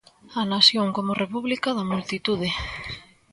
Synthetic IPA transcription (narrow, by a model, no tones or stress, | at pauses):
ɐnasjoŋkomʊrepuβlikaðɐmult̪it̪uð̞ɪ